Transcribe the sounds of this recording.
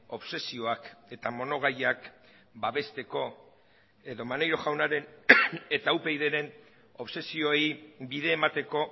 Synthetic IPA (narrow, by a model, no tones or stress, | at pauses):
o̞βse̞sio̞ake̞t̪amo̞no̞ɣ̞ajak | baβe̞st̪e̞ko̞ | e̞ðo̞mane̞jɾo̞ʝawnaɾe̞ne̞t̪auwpejðe̞ɾe̞n | o̞βse̞sio̞ejbiðe̞ːmat̪e̞ko̞